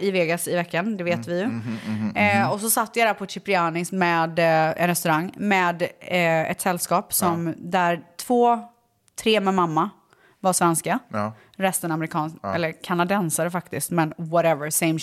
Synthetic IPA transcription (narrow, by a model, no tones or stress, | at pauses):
ɪveːɡasɪvɛkːand̪ɛveːt̪vɪjɵ | ɔs̬ɔsat̪ːəjad̪æːɾpʰɔʃɪpɾɪɑːnɪsmɛːd̪ɛ̰nɾɛst̪ɵɾaŋːmɛːd̪ɛ̰t̪sɛlːskɑːpsɔmd̪æɾt̪ʰv̥oː | t̪ʰɾeːmɛmamːa | vaʂvɛnska | ɾɛst̪ənaməɾɪkʰɑːnɛ̰lːəɾkʰanad̪ɛnsaɾəfakt̪ɪst̪mɛnwɔɾɛvəɾseɪm